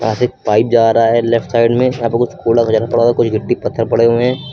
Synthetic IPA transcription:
jãsepaːɪp̚d͡ʒaːɾaɦaɦɛlɛpʈsaːɪɖmẽjɐɦãːpɐɾkʊt͡ʃʰkoːlakʊd͡ʒaːɾapɐɽakʊt͡ʃʰɡʱɪʈːipɐt̪ʰːəɾpɐɽeɦuẽɦɛ̃ː

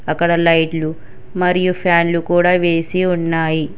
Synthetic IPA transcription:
ɐkːɐɽɐlɐjʈlu | mɐɾijupʰaːnlukuːɽaːʋe̞ːsiunːaːji

